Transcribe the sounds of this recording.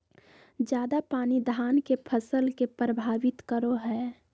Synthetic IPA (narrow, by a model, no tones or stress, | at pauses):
d͡ʒjaːd̪apaːnid̪ʱaːnkepʰəsəlkepɾəbʱaːʋɪt̪kəɾoɦɛː